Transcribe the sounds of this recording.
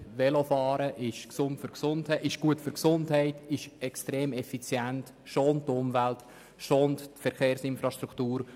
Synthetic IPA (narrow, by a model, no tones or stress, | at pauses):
ʋɛlofɑːɾəʔɪʃksʊntfʏɾksʊnthɛʔɪʃɡ̥uətfʏɾksʊndhɛɪtɪʃɛkstɾeːmɛfit͡sjænt | ʃoːnttʊmvælt | ʃoːnttfɛɾχeːɾsɪnfɾɑʃtɾuktuːɾ